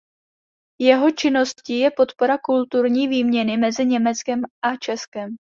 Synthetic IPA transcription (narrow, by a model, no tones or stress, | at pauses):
jɛɦo̞t͡ʃɪno̞scijɛpo̞t̪po̞ɾakult̪uɾɲiːviːmɲɛnɪmɛzɪɲɛmɛt͡skɛmʔat͡ʃɛskɛm